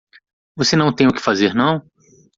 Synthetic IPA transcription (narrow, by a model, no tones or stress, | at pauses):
vosenɐ̃w̃t̪ẽj̃ʊkɪ̥fazeɾnɐ̃w̃